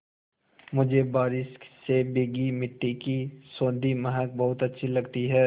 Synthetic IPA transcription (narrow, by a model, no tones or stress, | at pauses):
mʊd͡ʒʱebaːɾɪʃsebeːɡimɪʈːikisõːd̪ʱimɐɦək̚bɐɦʊt̪ɐtːʃʰilɐɡt̪iɦɛː